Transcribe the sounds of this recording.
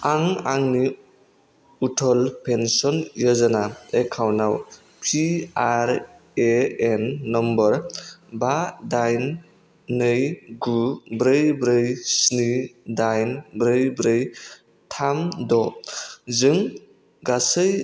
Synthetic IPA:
aŋaŋni | utʰɔlpʰensɔnjɔzanaekʰawnaw | pʰiaɾ | eenːɔmbɔɾbadajn | nɯjɡubɾɯjbɾɯjsnidajnbɾɯjbɾɯj | tʰamdɔ | zɯŋ | ɡasɯj

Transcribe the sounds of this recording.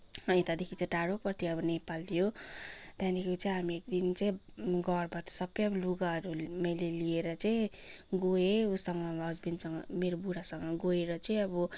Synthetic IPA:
ʌĩt̪ad̪ekʰit͡saĩʈaɽopʌrt̪ʰiʌbʌnepald̪ijod̪jãnikot͡sʌĩɦamiekd̪int͡sʌĩɡʌrbat̪sʌbːʌjʌbʌluɡaʌɾumʌjlelieɾʌt͡saĩ | ɡoeusʌŋɡʌɦʌd͡zbinsʌŋɡʌ̰meɾobuɾasʌŋɡʌɡoeɾʌt͡sʌĩʌbʌ

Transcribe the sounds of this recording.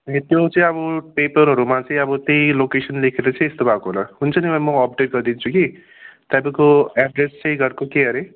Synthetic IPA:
ẽt̪jot͡sʌĩʌbʌpepʌɾɦʌɾumat͡sʌ̃ĩʌbʌt̪ejlokesʌnlekʰeɾʌt͡sʌ̃ĩest̪obʱakoɦolʌɦunt͡sʰʌnibʌmʌːp̚ɖeʈ̚ɡʌɾd̪int͡sʰuki | t̪abʌkoaɖrest͡sʌ̃ĩɡʌɾkokeɦʌɾe

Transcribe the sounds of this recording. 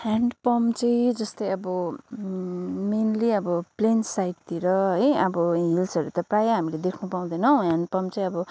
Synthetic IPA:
haɳɖpʌmt͡sʌĩd͡zʌst̪ʌjʌbʌ | menliʌbʌplensajʈ̚t̪iɾʌɦʌjʌbʌɦilsʌɾut̪ʌprajaɦamiled̪ekʰnupaw̃d̪ʌnʌ̃ɦaɳɖpʌmt͡sʌ̃ĩʌbʌ

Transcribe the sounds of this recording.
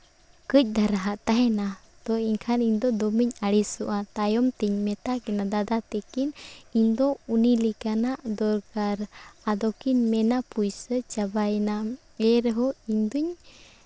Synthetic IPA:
kəc̚ˀd̪ʱaɾaɦaʔt̪aɦɛna | t̪ɔiɲkʰaniɲd̪ɔd̪ɔmiɲaɽisɔʔat̪ajɔmt̪iɲmɛt̪akɛnad̪ad̪at̪ɛkiniɲd̪ɔunilikanaʔd̪ɔɾkaɾad̪ɔkinmɛnapujsət͡ʃabajna | ɛɾɦɔiɲd̪uɲ

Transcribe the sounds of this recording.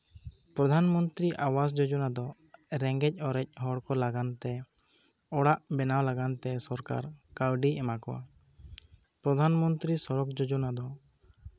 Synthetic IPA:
pɾɔd̪ʱanmɔnt̪ɾiʔawas̬d͡ʒɔd͡ʒɔnad̪ɔ | ɾɛŋɡɛc̚ˀɔɾɛc̚ˀhɔɽkɔlaɡant̪ɛ | ɔɽaʔbɛnawlaɡant̪ɛsɔɾka̰ɾkawɖiɛmakɔwa̰ | pɾɔd̪ʱanmɔnt̪ɾisɔɾɔk̚d͡ʒɔd͡ʒɔnad̪ɔ

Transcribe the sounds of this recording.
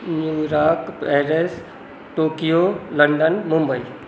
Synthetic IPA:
njuːɾaːkpɛːɾes | ʈoːkijolɐ̃ɳɖənmʊ̃mbəiː

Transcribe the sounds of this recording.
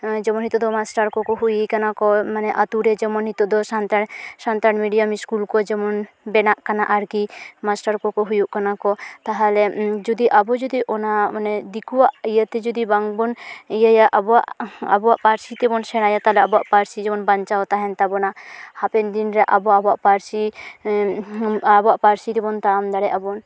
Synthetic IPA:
d͡ʒɛmɔnɦit̪ɔd̪ɔmasʈaɾkɔkɔɦujikanakɔmanɛʔat̪uɾɛd͡ʒɛmɔnɦit̪ɔd̪ɔsant̪asant̪aɽmiɖijamiskulkɔd͡ʒɛmɔn | bɛnaʔkanaʔaɾɡimasʈaɾkɔkɔɦujuʔkanakɔt̪aɦalɛd͡ʒud̪iʔabɔd͡ʒud̪iʔɔnamanɛd̪ikuwaʔijət̪ɛd͡ʒud̪ibaŋbɔnijəjaʔabɔaʔa̰bɔwaʔpaɾsit̪ɛbɔnsɛɽ̃ajat̪aɦlɛabɔwa̰ʔpaɾsid͡ʒɛmɔnbaɲt͡ʃawt̪aɦɛnt̪abɔnahapɛnd̪inɾɛʔabɔabɔaʔpaɾsi | abɔaʔpaɾsit̪ɛbɔnt̪amd̪aɽɛʔabɔn

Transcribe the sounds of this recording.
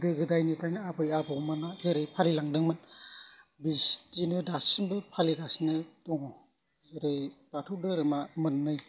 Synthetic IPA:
dɯɡɯdajnipʰɾajnɯabɯjabɯwmanazeɾɯjpʰalilaŋdɯŋmɯn | bistinɯdasinbɯpʰaliɡasnɯtɔŋɔ | zeɾɯjpatʰudɯɾɯmamɯnːɯj

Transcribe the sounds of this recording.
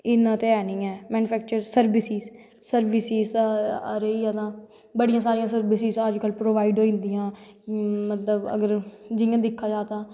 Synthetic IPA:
ɪnãːt̪eːɛːnĩːɛːmɛːnupʰɛːk̚t͡ʃəɾsəɾbɪsiːz | səɾʋɪsiːzəɾeːãːt̪ãː | bəɽijãːsaːɾijãːsəɾbɪsɪzəd͡ʒkəlpɾoːʋaːiɖɦoːĩːnd̪ijãː | mət̪ləbə̰ɡəɾd͡ʒɪãːd̪ɪkʰːaːd͡ʒaːt̪aː

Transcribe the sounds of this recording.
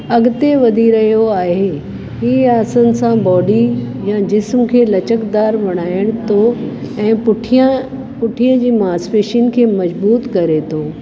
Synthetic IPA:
ɐɡɪt̪eʋɐd̪ʱiɾɐɦijoaːɦe | ɦiːaːsənɪ̆sãbɔːɖijãd͡ʑɪsmkʰeːlɐt͡ɕəkd̪aːɾʋɐɽ̃aːɪəɽ̃t̪ʰo | ɛ̃ːpʊʈʰ | pʊʈʰiəd͡ʑiːmaːsfeːʃinɪ̆kʰeːmɐd͡ʑbuːt̪kɐɾet̪ʰoː

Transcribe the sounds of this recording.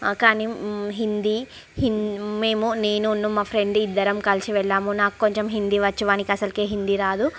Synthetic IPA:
kaːniɦind̪i | hinme̞ːmune̞ːnunːumaːpʰɾeɳɖid̪ːɐɾɐmkɐlsiʋɛɭːaːmunaːku̥ko̞ɲt͡ʃemɦind̪iʋɐt͡ʃːuʋaːnikiɐsɐlkeːɦind̪iɾaːd̪u

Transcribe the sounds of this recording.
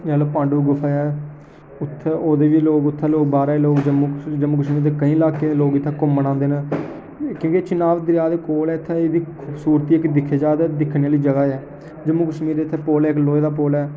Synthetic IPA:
aːloːpãːɳɖuːɡʊfʰɛɛː | ʊt̪ʰːɛoːd̪eːʋiːloːɡʊt̪ʰːɛːloːkbaːɾaːiloːɡd͡ʒəmũːd͡ʒəmũːkəʃmiːɾd̪eːkəĩːlaːkeːloːɡɪt̪ʰːɛːkʊmːəɽ̃ãːnd̪eːnaː | kjõːket͡ʃɪnaːʋd̪ɾɪjaːd̪eːkoːlɛːɪt̪ʰːɛːed̪iːkʰʊbsuːɾt̪iːɪkd̪ɪkʰːeːd͡ʒaːd̪aːd̪ɪkʰneaːliːd͡ʒəɡaːɛː | d͡ʒəmũːkəʃmiːɾd̪eːt̪ʰːɛːpoːlɛːkloːeːd̪aːpoːlɛː

